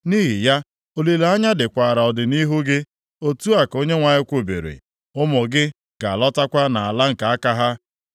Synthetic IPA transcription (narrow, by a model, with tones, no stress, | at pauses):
niː˦ɦɪ˨ja˦ | o˨li˨la˦ɲa˦dɪ˨kʷa˨ɾa˨ɔ˨dɪ˨ni˦ɦu˦ɡɪ˦ | o˦tu˦a˨ko˦ɲe˦ŋʷa˨ɲɪ˦kʷo˨bḛ˨ɾḛ˨ | ʊ˦mɔ˨ɡɪ˦ | ɡ̥a˨a˨lɔ˦ta˦kʷa˦na˨a˨la˦ŋ̩˨ka˨a˦ka˦ɦa˦